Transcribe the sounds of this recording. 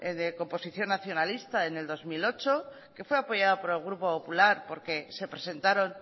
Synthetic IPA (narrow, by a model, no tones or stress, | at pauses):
eðeko̞mpo̞siθjo̞nːaθjo̞nalist̪aene̞ld̪o̞zmilo̞t͡ʃo̞ | ke̞fwe̞apo̞ʝaðopo̞ɾe̞lɣ̞ɾupo̞po̞pulaɾpo̞ɾke̞se̞pɾese̞nt̪aɾo̞n